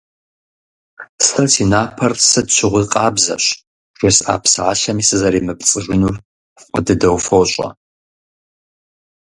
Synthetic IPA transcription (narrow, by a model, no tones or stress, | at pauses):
stʰɐtʰinaːpʰɐrsɨdʃʰɪʁʷʊzqʼɑːbzɐ̰ɕ | r̥esa̰ːpʰsɨʕaʃɐmisɨzɐɾiːmɨpt͡sʼɨʒʷʊnur | qʷʼʊdɨdɐwfowɕʼɐ̰